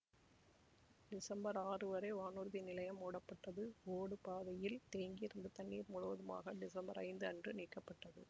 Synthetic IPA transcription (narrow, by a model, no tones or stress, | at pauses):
ɖɪsɐmbɐɾaːrɯʋɐɾɐɪʋaːnuːɾðinɪlɐjɐmoːɽɐpːɐʈːɐðɯoːɽɯpaːðɐjɪlt̪eːŋɡiɪɾɯnd̪ɐt̪ɐɳːiːɾmʊɻɯʋɐðɯma̰ːɣɐɖɪsɐmbɐɾɐ̰ɪnd̪ɯɐndrɯniːkːɐpːɐʈːɐðɯ̰